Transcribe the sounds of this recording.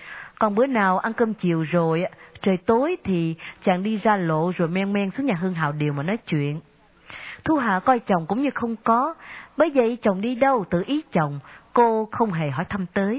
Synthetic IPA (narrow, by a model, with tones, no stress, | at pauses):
kɔ˨˩nɓɨ˨˧˦ənaː˨˩wʔa˧nkəː˧mt͡ɕi˨əwzo˨˩jt͡ɕəː˨˩jt̪o˨˦jt̪ʰi˨˩t͡ɕa̰ː˧˨ŋɗi˧zaː˧lo̰˧˨zo˨˩jmɛ˧nmɛ˧nsu̥˨˦˥ŋɲaː˨˩ɦɨ˧əŋɦa̰ː˧˨wɗi˨˩əwmaː˨˩nɔ˨˦jt͡ɕwḭ˧˨ən | t̪ʰu˧ɦa̰ː˧˨kɔ˧jt͡ɕə˨˩wŋ͡mkʊ̰˧˥wŋ͡mɲɨ˧xə˧wŋ͡mkɔ˨˦ɓəː˨˦jvə̰˧˨jt͡ɕə˨˩wŋ͡mɗi˧ɗə˧wt̪ɨ̰˧˨ʔi˨˦t͡ɕə˨˩wŋ͡mko˧xə˧wŋ͡mɦe˨˩ɦɔ˧˩jt̪ʰa˧mt̪əː˨˦j